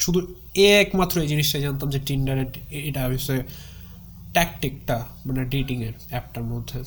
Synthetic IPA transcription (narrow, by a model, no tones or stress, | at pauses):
ʃud̪ʱu | ɛkmat̪ːɾoejd͡ʑiniʃʈajd͡ʑant̪̬amd͡ʑeʈinɖaɾeʈeʈabʱisɔe | ʈɛkʈikʈa | maneɖiʈiŋeɾɛp̚ʈaɾmod̪ʱːe